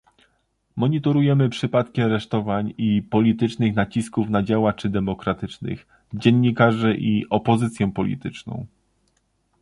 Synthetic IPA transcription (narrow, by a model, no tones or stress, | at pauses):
mɔɲit̪ɔɾujɛmɘpʂɘpat̪kʲiaɾɛʂt̪ɔvaɲipɔlʲit̪ɘt͡ʂnɘxnat͡ɕiskufnad͡ʑawat͡ʂɘd̪ɛmɔkɾat̪ɘt͡ʂnɘ̰x | d͡ʑɛnːikaʐɛʔiʔɔpɔzɘt̪sʲjɛpɔlʲḭt̪ɘt͡ʂnɔ̰̃w̃